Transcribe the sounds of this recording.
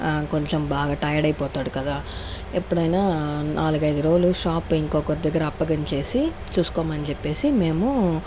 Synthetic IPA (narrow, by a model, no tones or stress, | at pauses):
ko̞ɲt͡ʃɐmbaːɡaːʈɐjɐɽɐjpɔːt̪aːɽukɐd̪aː | epːuɽɐjnaːnʔaːlukɐjd̪uɾoːluʃaːpːiŋkoːkɐɾd̪ɐɡːɐɾɐːpːɐɡɐnt͡ʃe̞ːsi | t͡ʃuːsu̥koːmaːnit͡ʃepːe̞ːsime̞ːmu